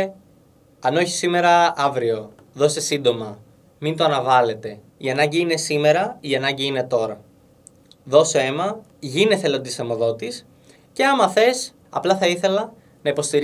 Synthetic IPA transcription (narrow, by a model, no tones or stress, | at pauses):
ɐno̞çi̥sime̞ɾɐɐvɾio̞ | ðo̞st̪esind̪o̞mɐ | mint̪oɐnɐvɐle̞t̪e̞ | iɐnɐɲɟiine̞sime̞ɾɐiɐnɐɲɟiine̞t̪o̞ɾɐ | ðo̞soe̞mɐ | ʝine̞θelo̞nd̪isɐmo̞ðo̞t̪is | ce̞ɐmɐθe̞s | ɐ̰plɐθɐiθe̞lɐ | nɐipo̞st̪iɾ